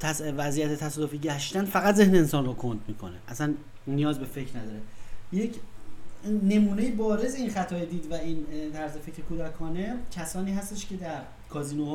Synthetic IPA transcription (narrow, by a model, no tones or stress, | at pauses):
t̪ʰæsvæzijæt̪ʰet̪ʰæsɒːd̪ofiɟæʃt̪ænfæɣæt̪ze̞hneːnsɒːnrokʰond̪̚miːkʰo̞neʔæsæn | nːijɒːzbe̞fecʰɾnæd̪ɒːɾejecʰ | ne̞muːnejebɒːɾe̞zeinxæt̪ʰɒːjed̪iːd̪væint̪ʰæɾze̞fecɾekʰuːd̪ækʰɒːne̞cʰæsɒːniːɦæst̪eʃcʰe̞d̪æɾ | kʰɒːziːnoh